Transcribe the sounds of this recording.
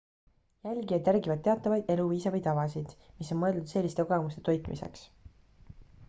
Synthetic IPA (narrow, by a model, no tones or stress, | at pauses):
jælɡiet̪jærɡivɑd̪̚e̞ɑt̪ːˑɑvɑjd̪̥e̞luviːsɑvijt̪ɑvɑsid̪̥ | misːo̞nmɤ̞e̞ld̪ud̪se̞lːist̪e̞koɡemust̪e̞t̪o̞jt̪ˑmʔise̞̰ks